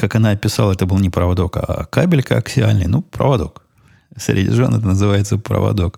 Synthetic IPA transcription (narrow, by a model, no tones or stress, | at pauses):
kakɐnaɐpʲɪsalˠəɛt̪əbɨlˠnʲɪpɾəvɐd̪o̞ka̰kabʲɪlʲkəɐksʲɪalʲnɨ̰jnupɾə̰vɐd̪o̞k | sʲɾʲɪ̰dʲɪ̰ʐonɛt̪ənəzɨvajɪt̪səpɾə̰vɐ̰d̪o̞k